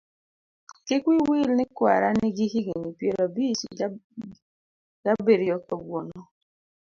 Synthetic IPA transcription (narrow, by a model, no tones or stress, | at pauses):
kɪkwiwilnikwa̰ɾaniɡihiɡiɲipjeɾabit͡ʃḭ | ɡabeɾiɔkɔɡwonɔ